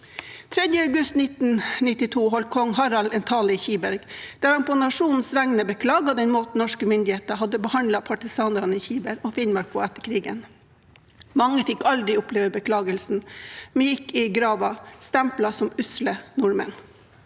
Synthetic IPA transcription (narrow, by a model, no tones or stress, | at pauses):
t̪ʰɾɛd̪jəɑʉɡʉst̪nɪt̪n̩nɪt̪ɪt̪ʰuːɦɔlkʰɔŋɦɑɾɑlɛnt̪ʰɑːləɪçiːbæɾɡd̪̥æːɾhɑnpʰonɑʂuːnn̩sʋæŋnəbəkʰlɑːɡɑd̪ɛnmoːt̪n̩ɔʂkəmʏnd̪ɪheːt̪əɦɑd̪əbəhɑnlɑpʰɑʈɪsɑːnɑɾɑnəɪçiːbæɾɔfɪnmɑɾkʰʊæt̪ːəkʰɾiːɡə̰n | mɑŋːəfɪkːɑld̪ɾɪʊpleːʋəbəkʰlɑːɡəlsn̩mɛjɪkːɪɡɾɑːʋɑst̪æmplɑsɔmʉslənʊɾmə̰n